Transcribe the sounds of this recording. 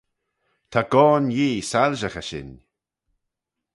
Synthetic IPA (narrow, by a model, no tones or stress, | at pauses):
t̪ʰaɡ̥ɔːnjiːsalʒəxəʃɪ̰n